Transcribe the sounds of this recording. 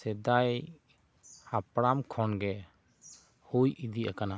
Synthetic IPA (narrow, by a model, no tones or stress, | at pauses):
sɛd̪aj | apɾamkʰɔnɡɛ | hujʔid̪iʔa̰kana